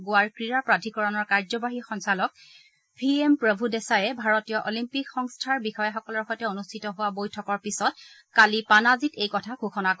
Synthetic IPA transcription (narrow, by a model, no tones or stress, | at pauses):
ɡʊwaɹkɹiɹapɹadʰʱikɔɹɔnɔɹkaɹzɔbaɦixɔnsalɔk̚ | pʰiempɹɔbʱudɛsajɛbʱaɹɔtijɔʔolimpikxɔŋstʰaɹbixɔjaxɔkɔlɔɹxɔjtɛonustʰitɔɦʊwabojtʰɔkɔɹpisɔt̚ | kalipanazitejkɔtʰaɡʰʱuxʰɔnakɔ